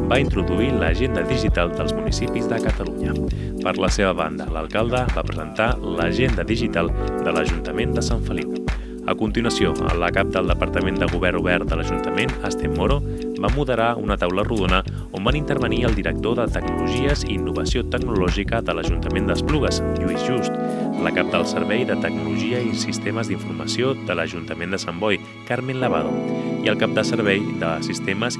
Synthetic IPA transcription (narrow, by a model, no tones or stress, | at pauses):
baint̪ɾuðuiləʒend̪əðiʒit̪alˠd̪əlˠzmunisipizðəkət̪əluɲə | pəɾləseβəβa̰nd̪ələ̰lˠkalˠd̪əβapɾəzənt̪aləʒend̪əðiʒit̪alˠd̪ələʒunt̪əmend̪əsaɱfəlip̚ | ə̰kunt̪inuwəsioə̰mləkap̚d̪əlˠd̪əpəɾt̪əmend̪əɣuβɛɾnuβɛrd̪ələʒunt̪əmenəst̪emːoɾo | bamuðəɾaṵnət̪awləruðonə | ombanint̪əɾβəniəlˠd̪iɾək̚t̪oðət̪əɡnuluʒiəziːnːuβəsiot̪əɡnulɔʒikəðələʒunt̪əmend̪əspluɣəzjuizʒust̪lə̰kap̚d̪əlˠsəɾβɛjðət̪əɡ̚nuluʒiəisist̪eməzd̪iɱfurmə̰sioðələʒunt̪əmend̪əsambɔj | kaɾmenləβ̞a̰ðo̰iəlˠkap̚d̪əsəɾβ̞ɛjðəsist̪eməs